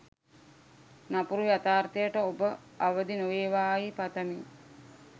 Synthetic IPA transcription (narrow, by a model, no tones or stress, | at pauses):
napuɾujat̪aːrt̪əjəʈəobə | aʋəd̪inoʋeːʋaːipat̪əmi